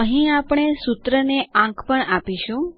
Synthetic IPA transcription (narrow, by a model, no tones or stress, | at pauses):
əɦĩapɽ̃esut̪ɾəneãkʰpəɳapiʃũ